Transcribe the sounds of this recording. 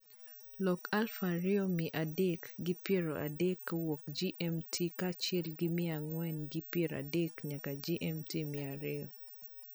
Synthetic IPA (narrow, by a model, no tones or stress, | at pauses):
lɔkalfaɾɪomiʔadekɡipjeɾoʔa̰dɛkːawok̚d͡ʒiʔɛmtʰikat͡ʃɪɛlɡimɪaŋwɛnɡipjeɾa̰dekɲakad͡ʒiʔɛmtimiaɾɪo